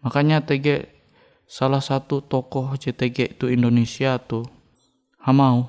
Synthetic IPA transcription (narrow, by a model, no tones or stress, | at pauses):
makaɲat̪ɛɡɛʔ | salahsat̪ut̪ɔkɔhd͡ʒɛt̪ɛɡɛʔt̪uindonesiat̪u | hamau